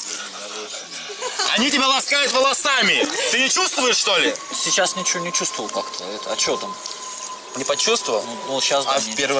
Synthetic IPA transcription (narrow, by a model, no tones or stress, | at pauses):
ɐ̰nʲitʲɪbʲalˠɐskajʊt̪vəlˠɐsamʲɪt̪ɨnʲɪt͡ɕust̪vʊjɪʂʂt̪olʲɪsʲɪt͡ɕasnʲɪt͡ɕɪvonʲɪt͡ɕust̪vʊvəlˠkakt̪ʰəɛt̪əɐ̰t͡ɕɪot̪am | nʲɪpɐt͡ɕust̪vəvəlˠnunuɕasafpʲeɾv